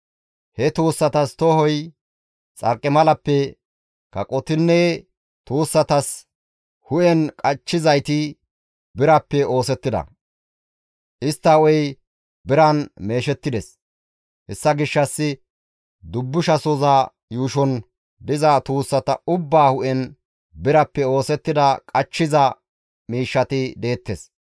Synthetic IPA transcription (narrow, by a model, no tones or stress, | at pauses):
hɛt̪uːsːɐt̪ɐst̪ɔɦɔj | t͡sʼɐ̰ɾkʼːɪmɐlɐpːɛ | kɐkʼɔt̪ɪnːɛ | t̪uːsːɐt̪ɐs | hʊʔɛnkʼɐt͡ʃːɪzɐjt̪ɪ | bɪɾɐpːɛo̞ːsɛt̪ːɪd̪ɐ̰ | ʔɪst̪ːɐɔj | bɪɾɐnme̞ːʃɛt̪ːɪd̪ɛs | hɛsːɐɡɪʃːɐsːɪ | d̪ʊbːʊʃɐsʊzaː | juːʃɔn | d̪ɪzaːt̪uːsːɐt̪ɐʊbːaːhʊʔɛn | bɪɾɐpːɛo̞ːsɛt̪ːɪd̪ɐkʼɐt͡ʃːɪzɐ | miːʃːɐt̪ɪd̪e̞ːt̪ːes